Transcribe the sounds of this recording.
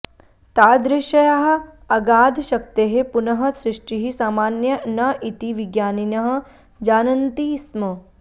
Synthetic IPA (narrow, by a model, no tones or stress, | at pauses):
t̪aːd̪ɾɪʃɐjɐɦɐ̆ | ɐɡaːd̪ʱʃɐk̚t̪eɦepunɐɦɐ̆sɾɪʂʈiɦisaːmaːnjɐnɐʔit̪iʋiɡjaːninɐɦɐ̆ | d͡ʒaːnɐnt̪iːsmɐ